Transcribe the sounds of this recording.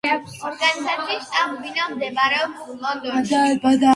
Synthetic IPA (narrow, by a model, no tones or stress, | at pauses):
ɔɾɡanit̪anʃiʃt̪ʼambinamd̪ɛmaɾɛɔblɔnd̪ɔd̪abad̪a